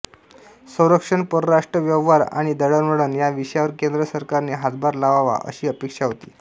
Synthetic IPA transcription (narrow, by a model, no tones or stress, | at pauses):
səwɾəkʂəɳpəɾɾaʂʈɾəʋjəʋʋaɾa̰ɽ̃id̪əɽəɾməɽəːnjaʋiʂjaʋəɾkend̪ɾəsəɾkaɾniɦad͡z̪bʱaɾlaʋaʋa̰ʔə̰ɕiːəpekʂaɦot̪ḭː